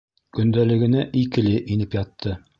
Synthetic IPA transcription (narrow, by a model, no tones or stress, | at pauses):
kɵ̆nd̪ælɘ̆ɡɘ̆næʔikɘ̆lɘʔinɘpjɑt̪ʰːɤ